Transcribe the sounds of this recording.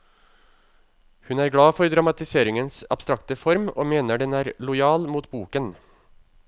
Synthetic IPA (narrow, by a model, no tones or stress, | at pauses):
hʉnæːɾɡɽɑːfɔɾd̪ɾɑmɑt̪ɪseːɾɪŋənsɑ̰b̥st̪ɾɑkt̪əfɔɾmoːmeːnəɖɛnæːɾlʊjɑːlmuːt̪buːkən